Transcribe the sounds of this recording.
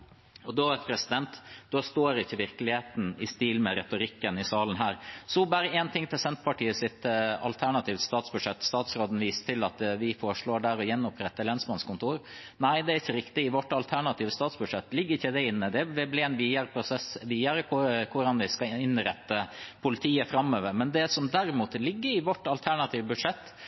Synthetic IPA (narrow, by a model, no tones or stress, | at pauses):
ɔd̪oːɛt̪pʰɾɛsɪd̪ɛnt̪d̪̥oːst̪oːɾɪçːəʋɪɾkəlɪheːt̪n̩ɪst̪iːlmɛɾɛt̪ʊɾɪkːənɪsɑːlən̩ɦæːɾsɔbæːɾəɛːnt̪ʰɪŋt̪ʰɪlsɛnt̪pʰɑʈiːəsɪt̪ɑ̰lt̪ʰæɳɑt̪ʰiːʋt̪st̪ɑːt̪sbʉd̪ʂɛt̪ːst̪ɑːt̪sɾoːd̪n̩ʋiːst̪ʰɪlɑt̪ʋɪfoːɾʂɭoːɖæɾɔjɛnːɔpʰɾɛt̪ːəlɛnsmɑnskʊnt̪ʰuːɾ | næɪd̪ɛæɾɪçːəɾɪkt̪ɪɪʋɔʈːɑlt̪ʰæɳɑt̪ʰiːʋəst̪ɑːt̪sbʉd̪ʂɛt̪ːlɪɡːəɾɪçːəd̪ɛɪnːəd̪ɛʋɛblɪɛnʋiːɑɾəpʰɾʊsɛsʋiːɑɾəkʰʊkʰʊɾɑnʋɪskɑɪnɾɛt̪ːəpʰʊlɪt̪ʰiːəfɾɑmːøːʋəɾmɛnd̪ɛsɔmd̪æɾɪmuːt̪lɪɡːəɾɪʋɔʈːɑlt̪ʰæɳɑt̪ʰiːʋbʉd̪ʂɛt̪ː